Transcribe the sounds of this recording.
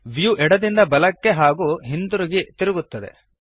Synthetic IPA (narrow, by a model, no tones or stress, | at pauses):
ʋijuʔɛɽɐd̪ind̪ɐbɐlɐkːe̞ɦaːɡuːɦind̪uɾiɡit̪iɾɪɡut̪ːɐd̪e̞̰